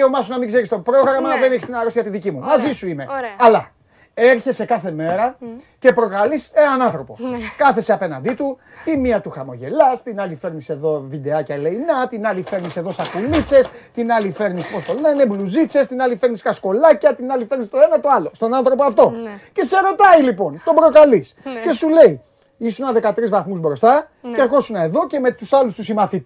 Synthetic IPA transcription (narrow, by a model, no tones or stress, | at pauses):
omɐsunɐmiɡze̞ɾist̪o̞pɾo̞ɣɾɐmɐðeneçist̪inɐɾosçɐt̪iðicimumɐzisuime̞ɐlɐ | e̞ɾçe̞sekɐθe̞me̞ɾɐce̞pɾo̞kɐlise̞nɐnɐ̃nθɾo̞po̞̰kɐθe̞seɐpe̞nɐnd̪it̪u | t̪imiɐt̪uxɐmo̞ʝe̞lɐst̪inɐlife̞ɾnise̞ðo̞vid̪e̞ɐcɐleinɐt̪inɐlife̞ɾnise̞ðo̞sɐkulit͡se̞st̪inɐlife̞ɾnispo̞st̪o̞le̞ne̞bluzit͡se̞st̪inɐlife̞ɾniskɐsko̞lɐcɐt̪inɐlife̞ɾnist̪o̞e̞nɐt̪o̞ɐlo̞st̪o̞nɐnθɾo̞poɐft̪o̞cet̪ise̞ɾo̞t̪ɐilipo̞nt̪o̞bɾo̞kɐlisce̞sule̞i | isunɐðe̞kɐt̪ɾizvɐθmuzbɾo̞st̪ɐ | ceɾxo̞sunɐe̞ðo̞ce̞me̞t̪usɐlust̪usimɐθit̪